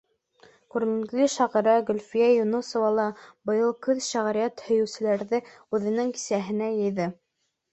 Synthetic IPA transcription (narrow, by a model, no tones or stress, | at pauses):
kʉɾmiŋliʃɑʁɤ̆ɾɑɡɵ̆lʲfijæjunusŏvɑlˠɑbɤ̆jɤlˠkɵðʃæʁɾijɑt̪hɵ̆jɵ̆wsɘ̆læɾðɘ | ʉðɘ̆nɘŋki̥sæɦɘ̆næjɤ̆jðɤ